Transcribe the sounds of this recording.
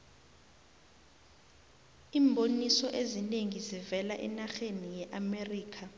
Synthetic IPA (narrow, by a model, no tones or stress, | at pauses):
iːmbʱonisɔʔezineŋizivɛlaʔɛ̰naxenijɛʔameriːkʰa